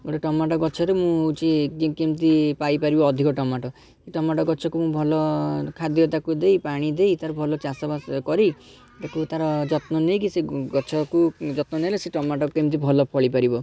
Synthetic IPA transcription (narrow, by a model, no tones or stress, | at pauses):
ɡoʈeʈɔmaʈɔɡɔt͡ʃʰɔɾemũt͡ʃikekemt̪̬ipajpaɾibɔːd̪ʱikɔʈɔmaʈɔ | seʈɔmaʈɔɡɔt͡ʃʰɔkumũbʱɔlɔkʰad̪jɔt̪̬akud̪ejpaɽ̃id̪ejt̪aɾɔbʱɔlɔt͡ʃasɔbaskɔɾi | t̪akut̪aɾɔd͡ʒɔt̪nɔnejkiseɡɔt͡ʃʰɔkud͡ʒɔt̪nɔneleseʈɔmaʈɔkukemt̪̬ibʱɔlɔpʰɔɭipaɾibɔ